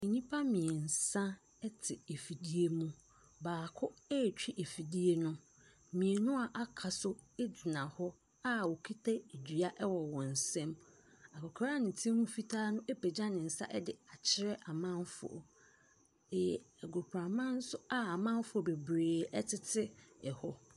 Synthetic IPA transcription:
e˨ɲĩ˦pʰa˦mĩ˨e˨n̩˨sã˦ | ɛ˦tʰɪ˨e˨fi˨di˦e˦mũ˦ | baː˨kʰʊ˦ɛ˦˨t͡ɕᶣi˦ʔe˨fi˨di˦e˦nʊ̃˦ | mĩ˨e˨nʊ̃˦a˨ʔa˨kʰa˨sʊ˦ | e˦d͡zɪ˨nã˨hɔ˦ | a˦wɔ˨kʰi˦tʰa˦e˨d͡ʑᶣɥa˦ʔɛ˦wɔ˨wɔ̃˨n̩˨sɛ̃˦m | a˨kɔ˨kʰɾa˦nɪ̃˨tʰĩ˦mũ˦fi˦tʰaː˦nʊ̃˦ʔe˦pɛ˨d͡ʑã˦nɪ̃˨n̩˨sa̰˦ʔɛ˦dɪ˨a˨t͡ɕʰɪ˦ɾɛ˦ʔa˨mã˦m˦fʊ̰˨ɔ̰˨ | jɛ˨ɡo˨pʰɾa˨mã˦n̩˦sʊ˦a˦a˨mã˦m˦fʊ˨ɔ˨be˨bɾeː˨ɛ˦tʰɪ˦tʰɪ˦ɛ˨hɔ˦

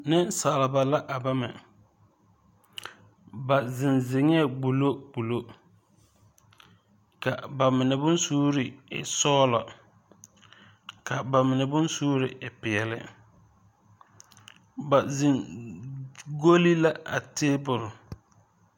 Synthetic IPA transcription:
nɪ˦nsaː˨lɪ˨ba˨la˦ʔa˨ba˦mɛ˨ | ba˨zɪ˨nzɪ˨ŋɛ˦˨bu˨lo˦b̥u˨lo˦ | ka˨ba˨mɪ˨nɛ˨bʊ˦nsuː˦ɾɪ˨ɪ̰˨sɔː˦lɔ˨ | kʰa˨ba˨mɪ˨nɛ˨bʊ˦nsuː˦ɾɪ˨ʔɪ˨pɪ˨ɛ˨lɪ̰˦ | ba˨zɪ˨n | ɡo˦li˦la˦a̰˨teː˦bʊ˨ɾʊ˨

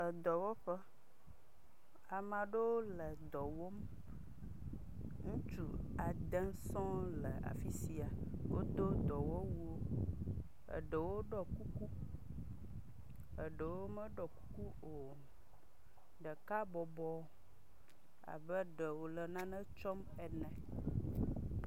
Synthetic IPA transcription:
ə˨d̪ɔ˨wɔ˦ɸə˦ | a˨mã˨ɖə˦wo˦lə˨d̪ɔ˨wo˦m | ŋũ˦t͡ʃu˦a˨d̪ə̃˦sɔ̃˦lə˨a̰˨fi˦si˦a˨wʔo̰˦d̪o˦d̪ɔ˨wɔ˦wu˦o˦ | ə̰˨ɖə˨wo˦ɖɔ˦ku˦ku˦ | ə˨ɖə˨wo˦mə̃˦ɖɔ˨ku˦ku˦ | o˨ | ɖə˨ka˦bɔ˨bɔ˦ | a̰˨bə˦ɖə˨wo˨lə˨nã˦nə̃˦t͡ʃɔ˦m | ɛ˨nɛ̃˨

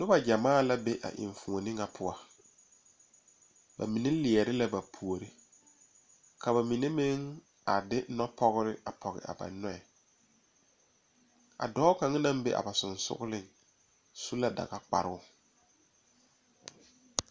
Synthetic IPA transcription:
nʊ˦ba˨d͡ʒa˨maː˦˨la˦be˦ʔa̰˨ʔɪ̰̃˨ɱ˨fu˨o˨nɪ̃˦ŋa˨pʰʊ˦a˨ | ba̰˨mi˨ne˦lɪ˨ɛ˨ɾɪ˦la˦ba˨pʰu˨o˨ɾɪ˨ | kʰa˨ba˨mi˨ne˦mɪ˦ŋ | a˨dɪ˦nɔ˦pʰɔ˦ɣɪ˦ɾɪ˦a˨pʰɔ˨ɣɪ̰˨ʔa̰˨ba̰˨nɔ˦ɛ˨ | a̰˨dɔː˦ka˨ŋa˦na˦mbe˦ʔa̰˨ba˨sʊ˨nsʊ̰˦ɣʊ˦lɪ˦ŋ | su˦la˦da̰˨ɣa˦k͡pa̰˨ɾɪ̰˦ʊ˨

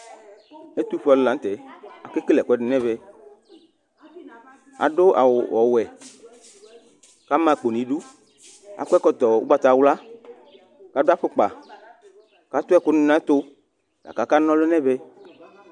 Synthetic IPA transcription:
e˦t̪u˦fɔ˨llã˨˦n̩˦t̪ɛ˨a̰˨ke˦ke˦lɛ˨kʷɛ˦dʊ˨˦nɛ̃˦βɛ˨ | a̰˨ɖo˦ʔa̰˨wwɔ˨wɛ˨ | ka˦mã˦˨k͡po˨nĩ˨ɖu˦ | a̰˨kʷɛ˦kɔ˦t̪ɔ˨wṵ˦ɡ͡ba˦t̪a˨wla˦ | ka˦ɖo˦a˦ɸe˦k͡pa̰˨ | ka˨˦t̪ʊ˦ɛ˦˨kʊ˦n˦nã˦t̪o˦ | la̰˨ka˨˦ka˦nɔ̃˦lo˦nɛ̃˦bɛ˦

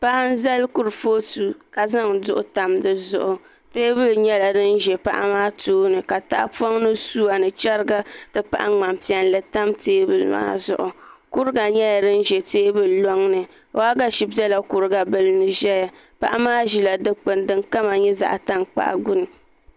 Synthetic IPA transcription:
pa˦ʔa˦n̩˦za˦lkʊ˦ɾɨ˨foː˦tu˦ka˨za˦ŋdʊ˦ʔʊ˦ta˨mdɨ˨zʊ˨ʔʊ˨ | teː˦bɨ˦lɲɛ˦la˨dɨ˦n˦ʒɛ˨pa̰˦ʔa̰˦maː˦tʰuː˦nɨ˨ka˨ta˦ʔpo˦ŋnɨ˦suː˦a˨nɨ˨t͡ʃɛ˦ɾɨ˦ɡa˦tɨ˦pa̰˦ʔa˦ŋ͡ma˨m˨pi˨ɛ˨nlɨ˨ta˦mteː˦bɨ˦lma̰ː˦zʊ̰˨ʔʊ˨kʊ˦ɾɨ˦ɡa˨ɲɛ˦ja˨dɨ˦n̩˦ʒɛ˨teː˦bɨ˨llo˦ŋnɨ˨˦ | a˦ɡa˦ʃi˨bɛ˦la˦kʊ˨ɾɨ˦ɡa˨bɨ˦lnɨ˨ʒɛ˦ja˨ | pa̰˦ʔa˦maː˦ʒi˨la˨dɨ˦k͡pɨ˨ndɨ˦ŋka˦ma˨ɲɛ˦za̰˨ʔta˦ŋk͡pa̰˦ʔa̰˨ɡʊ˦nɨ˨

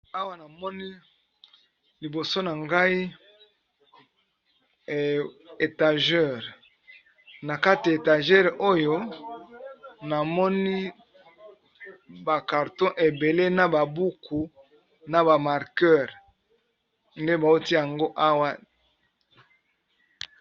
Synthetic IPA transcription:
a˦wa˦na˨mɔ˦ni˦ | li˨bo˨so˦na˨ŋɡa˦i˦˨ | e˨ta˨ʒɛ˦˨ʁ | na˨ka˦ti˨ja˨e˨ta˨ʒɛ˦ʁʔo˦jo˦ | na˨mɔ˦ni˦ | ba˨ka˨ʁtɔ̃˦ʔe˨be˨le˦na˨ba˨bu˦kʰu˨ | na˨ba˨ma˨ʁkɛ˦˨ʁ | nde˦ba˨o˦ti˦ja˨ŋɡo˦ʔa˦wa˦

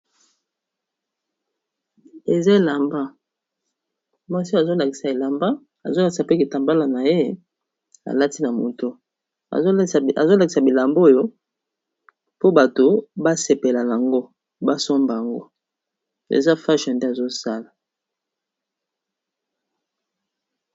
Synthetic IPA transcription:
e˨za˦e˨la˨mba˦ | mwa˦si˦a˨zo˦la˨ki̥˨sa˨e˨la˨mba˦ | a̰˨zo˦la˨ki˨sa˨pe˦ki˨ta˨mba˦la˨na˨je˦ | a̰˨la˦ti˦na˨mo˨to̰˦˨˦ | a˨zo˦la˨ki˨sa˨bi˨la˨mbo˦˨jo˦ | po˦ba˨to˨ba˦se˨pe˨la˨na˨a˨ŋɡo˦ | ba˦so˦mba˨ja˨ŋɡo̰˦ | ḛ˨za˦fa˦ʃã˨nde˦a˨zo˦sa˦la˨

